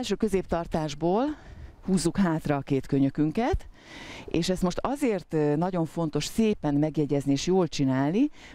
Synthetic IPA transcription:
ɛlʃøːkøzeːp̚t̪ɒrt̪aːʒboːlhuːzːukhaːt̪rɒːkeːt̪køɲøkyŋkɛt̪ | eːʃɛst̪mo̞ʃt̪ɒzeːrt̪nɒɟo̞ɱfo̞nt̪o̞ʃseːpɛnmɛɡjɛɟɛznieːʃjoːlt͡ʃinaːlni

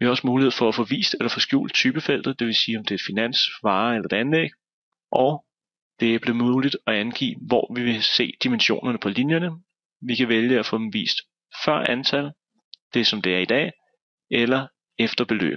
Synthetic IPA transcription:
ʋihɑ̈ɒ̽smuːlihḛfɒ̽æfɔ̽ʋḭːsd̥elɐfɒ̽sɡ̥jṵːld̥̚t͡sʰyːb̥əfel̰d̥ð̩ˠd̥e̝ʋe̝siːɒ̽md̥e̝ɐɪd̥finæn̰sʋɑ̈ːelɐe̝̥ænleɡ̥ | ʔɒʊ | d̥e̝æb̥le̝muðːlid̥ɒ̽ænɡ̥ḭːʋɒ̰ʋiʋe̝se̝̰ːd̥imenɕo̝̰ːnɐnəpʰɒ̽linjɐnə | ʋikʰæʋeljəæfɔ̽ːd̥em̩ʋḭːsd̥ | fɶɐ̰ænt͡sʰælð̩ | d̥e̝sɒ̽md̥e̝æɐid̥ɛ̰ː | elɐ | efd̥ɐb̥e̝lø̰ːb̥

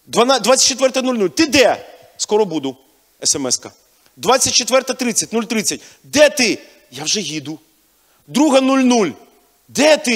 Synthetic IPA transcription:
d̪ʋɐnad̪ʋat͡sʲːɐt̚ʲt͡ʃːet̪ʋɛrt̪ɐnulʲnulʲt̪ɪd̪ɛ | skɔɾɔbud̪ʊ | ɛsɛmɛskɐ | d̪ʋat͡sʲːɐt̚ʲt͡ʃet̪ʋɛrt̪ɐt̪ɾɪt͡sʲɐtʲnulʲt̪ɾɪt͡sʲɐtʲ | d̪ɛt̪ɪ | jawʒɛɦʲid̪ʊ | d̪ɾuɦɐnulʲnulʲ | d̪ɛt̪ɪ

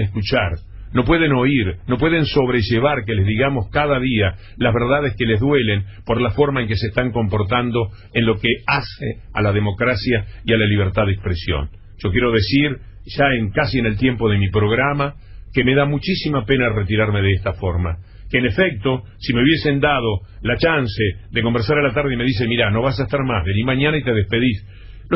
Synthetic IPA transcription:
eskut͡ʃaɾ | no̞p̬we̞ðeno̞iɾno̞pwe̞ðe̞nso̞β̞ɾeʒeβ̞aɾke̞lezðiɣamo̞skaðaðia | lazβeɾðað̞eske̞le̞zðwe̞le̞mpo̞ɾlafo̞ɾmae̞ŋkeseːst̪aŋko̞mpo̞ɾt̪̬and̪o̞ | enlo̞keasḛ | a̰laðemo̞kɾasjaialaliβ̞eɾt̪aðekspɾesjo̰n | ʒ̥o̞kjeɾo̞ð̞e̞siɾ | ʒ̥aeŋkasiene̞lt̪je̞mpo̞ðe̞mipɾo̞ɣɾama | keme̞ðamut͡ʃisimape̞naret̪̬iɾaɾmeð̞eest̪afo̞ɾma̰ | keːne̞fek̚t̪o̞ | simeuβje̞se̞nd̪að̞o̞ | lat͡ʃanseðeko̞mbeɾs̬aɾalat̪̬aɾðeme̞ðis̬emiɾano̞βas̬aest̪aɾmazβeniɾmãɲanait̪e̞ð̞espe̞ðis | lo

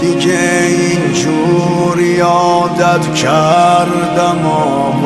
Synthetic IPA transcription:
d̪ike | int͡ʃʰu | ɾjɔː | d̪ad̪kʰaɾ | d̪amɔ

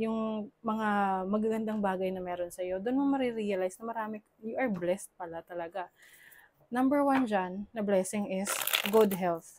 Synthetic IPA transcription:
jʊŋmɐŋamɐɡaɡɐnd̪aŋbaːɡɐjnɐmɛːɾo̞nsɐjo̞d̪onmoŋmɐɾɪɾijɐlajsnɐmɐɾaːmɪ | jʊʔɐɹblɛst̪̚pɐlat̪ɐlɐɡa | nɐmbɛɹwand͡ʒanːɐblɛːsɪŋɪsɡʊd̪ɦɛlθ

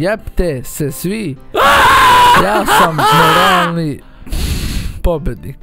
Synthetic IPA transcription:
jɛpt̪esɛsʋi | jaːsammoɾaːlni | pobed̪nik

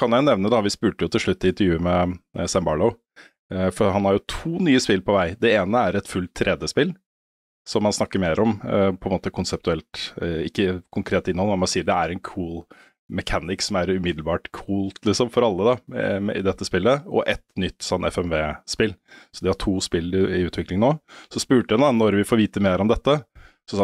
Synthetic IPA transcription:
kʰɑnjæʊnɛʋnəd̪ɑʋɪspʉːʈəjʊt̪ʰɪlʂɭʉt̪ːɪɪnt̪əɾjʉːəmɛsæmbɑɭəʊ | fɔɦɑnhɑɾjʊt̪ʰuːnyːəspɪlpʰɔʋæɪd̪ɛeːnəæɾɛt̪fʉlt̪ʰːɾʔɛd̪jəspɪl | sɔmːɑnsnɑkːəɾmeːɾɔmpʰɔɛnmoːt̪əkʰʊnsɛp̚t̪ʉɛlt̪ɪkːəkʰʊŋkʰɾeːt̪ːɪnːɔlmɛnmɑsiːəɖɛæɾɛnkʰuːl | mɛkʰænɪksɔmæɾʉmɪd̪lbɑːʈkʰuːlt̪lɪsɔmfɔɾɑlːəd̪ɑɪ̰d̪ɛt̪ːəspɪlːəɔ̰ʔɛt̪nʏt̪ːsɔnːɛ̰fɛmʋeːspɪlːsɔd̪ɪhɑʈʰuːspɪlːɪʉːt̪ʰʋɪklɪŋnoːsɔspʉːʈəjɑnd̪ɑnɔɾʋɪfɔɾʋiːt̪əmeːɾɔmd̪ɛt̪ːə | sɔ

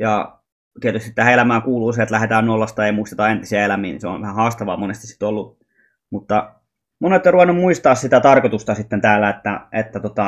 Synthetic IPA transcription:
jɑ | t̪iet̪yst̪it̪tæhæelæmæːkuːluːset̪læhet̪æːnːolːɑst̪ɑeimuist̪et̪ɑent̪isiɑelæmiːnḭseo̰ʋʋæhæhɑːst̪ɑʋɑ̰ːmonest̪isi̥t̪olːu | mut̪ːɑ | munet̪ːˑeruʋɑnːummuist̪ɑːssit̪æt̪ɑrkot̪ust̪ɑsit̪ːent̪æːlːæet̪ːæet̪ːæt̪ot̪ɑ

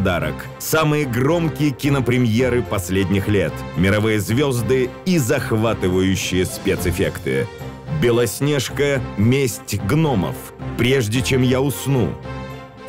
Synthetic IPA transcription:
d̪aɾə̰k | samɨjəɡro̞mkʲɪjəkʲɪnəpɾʲɪmʲjeɾɨpɐsʲlʲedʲnʲɪxlʲe̞t̪mʲɪɾɐvɨjəzvʲozd̪ɨizɐxvat̪ɨvəjʉɕːɪjəspʲet̪sɪfʲekt̪ɨ̰ | bʲɪlˠɐsʲnʲeʂkəmʲesʲtʲɡnomə̰f | pɾʲeʐdʲɪt͡ɕemjaʊsnṵ

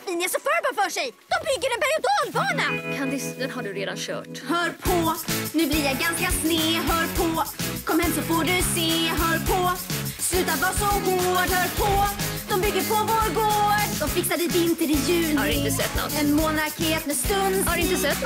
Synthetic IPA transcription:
vɪnɛsɔfœɾbɑːfœːʂɛjd̪̥ɔmbʏɡːəɖɛnpɛɾjʊd̪ɑːlvɑːnakʰand̪ɪst̪ɛnɦaɖɵɾeːd̪a̰nɕœ̰ːʈhœːɾpʰɔnʉ̟ːblɪɾjaɡanskasneːɦœːɾpʰɔkʰɔmːhɛmːsɔfoːɖɵseːɦœːɾpʰɔslʉ̟ːt̪at̪vɑːsɔɡoːɖhœːɾpʰɔd̪̥ɔmbʏɡːəɾpʰɔvoːɾɡoːɖd̪ɔmfɪksad̪əɪvɪnt̪əɾɪjʉ̟ːadɪnt̪əsɛ̰t̪ːnɔ̰t̪ːɛnmoːnaɾkeːt̪mɛst̪ɵnd̪haɖɵɪnt̪əsɛt̪ː

